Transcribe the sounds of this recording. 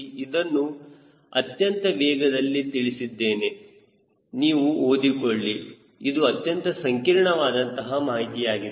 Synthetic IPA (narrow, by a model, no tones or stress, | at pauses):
id̪ɐnːu | ɐ̰t̪jɐnt̪ɐʋɛːɡɐd̪ɐlːit̪iɭisid̪ːe̞ːne̞ | niːʋuoːd̪ikoɭːi | id̪uɐt̪jɐnt̪ɐsɐŋkiɾɳɐʋaːd̪ɐnt̪ɐɦɐmaːɦit̪ijaːɡi